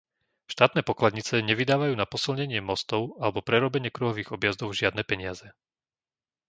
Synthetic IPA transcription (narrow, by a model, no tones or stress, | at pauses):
ʃt̪aːt̪nɛːpɔklad̪ɲit͡sɛɲɛʋid̪aːʋajuːnapɔsilɲɛɲɪɛmɔst̪ɔʊalɛbɔpɾɛɾɔbɛɲɪɛkɾuɦɔʋiːɣɔbjazd̪ɔʊʒɪad̪nɛːpɛɲɪazɛ